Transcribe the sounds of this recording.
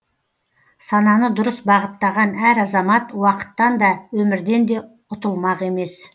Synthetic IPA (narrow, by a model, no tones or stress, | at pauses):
sɑnɑnəd̪ʊɾəsbɑʁət̪ːɑʁɑnæɾɑzɑmɑt̪wɑqə̥t̪ːɑnd̪ɑwɵmɪɾd̪e̞nd̪e̞ | ʊt̪əlˠmɑqe̞me̞s